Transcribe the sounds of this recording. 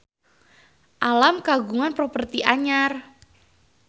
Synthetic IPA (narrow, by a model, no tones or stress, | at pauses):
ʔalamkaɡuŋanpɾopərt̪iʔaɲar